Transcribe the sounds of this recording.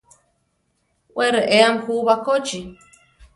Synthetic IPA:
weɾeʔeamhuβakot͡ʃi

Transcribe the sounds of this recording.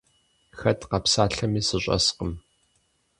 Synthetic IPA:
xɐtʰqɐpsaːɬɐmiːsɨɕʼɐ̰sqəm

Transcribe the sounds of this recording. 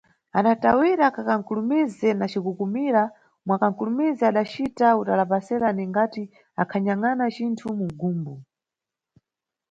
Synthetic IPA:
aɗatawiɾakakaŋ̩kulumizɛnat͡ʃikukumiɾa | mwakaŋ̩kulumizɛaɗat͡ʃitautalapasɛɾaniŋɡati | akʰaɲaŋanat͡ʃintʰumuɡuːmbu

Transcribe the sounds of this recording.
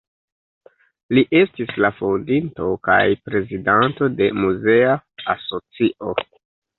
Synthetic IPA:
liʔe̞stislafondinto̞ka̰jpɾe̞zidanto̞de̞muze̞aaso̞t͡siʔo̞

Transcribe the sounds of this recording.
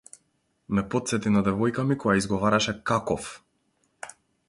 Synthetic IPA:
mɛpɔt̪sɛt̪inad̪ɛvɔjkamikɔjaizɡɔvaɾaʃɛkakɔf

